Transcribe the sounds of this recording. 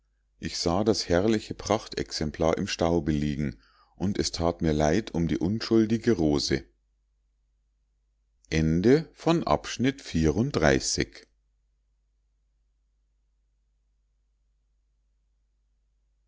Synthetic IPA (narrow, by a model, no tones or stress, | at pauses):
ʔɪçz̥aːdashɛɐlɪçəpʁ̥aχtɛ̰ksɛmpʰl̥aːɐʔɪmʃtaʊbəliːɡŋ̩ | ʔʊntɛstʰaːtmiːɐlaɪtʰʊmdḭːʔʊnʃʊldɪɡəʁoːzə | ʔɛndəfɔnʔa̰pʃnɪtfiːʁʊntd̥ʁa̰ɪsɪ̰ç